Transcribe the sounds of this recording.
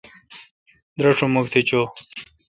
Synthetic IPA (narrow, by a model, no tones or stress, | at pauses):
d̪ɾɐʂʰomukt̪ʰet͡ɕo